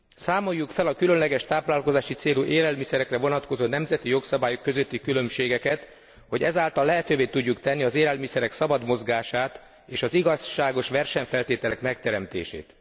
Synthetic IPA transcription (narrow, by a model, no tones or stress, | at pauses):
saːmo̞jːukfɛlɒkylø̞nlɛɡɛʃt̪aːplaːlko̞zaːʃit̪seːluʔeːlɛlmisɛɾɛkrɛvo̞nɒt̪ko̞zoːnɛmzɛt̪ijo̞ksɒbaːjokːø̞zøt̪ːikylø̞mʃeːɡɛkɛt̪ | ho̞ɟɛzaːlt̪ɒlːɛɦɛt̪øːveːt̪uɟːukt̪ɛnːiɒzeːlɛlmisɛɾɛksɒbɒd̪mo̞zɡaːʃaːt̪ | eːʃɒziɡɒʃaːɡo̞ʃʋɛrʃɛɲfɛlt̪eːt̪ɛlɛkmɛkt̪ɛɾɛmt̪ḛːʃḛːt̪